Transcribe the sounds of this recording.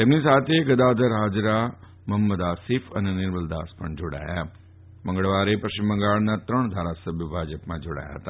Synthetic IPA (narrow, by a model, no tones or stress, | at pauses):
t̪emnisaːt̪ʰeɡəd̪aːd̪ʱəɾɦaːd͡ʒɾa | məmːəd̪aːsɪfənenɪɾməld̪aːspəɳd͡ʒoːɽa̰ːja | mə̃ŋɡəɭʋaɾepɾəʃɪmːə̃ŋɡaːɭnat̪ɾəɳ̃d̪ʱaːɾasəbʱjəbʱaːd͡ʒəpmãd͡ʒoːɽa̰ːja̰ɦət̪a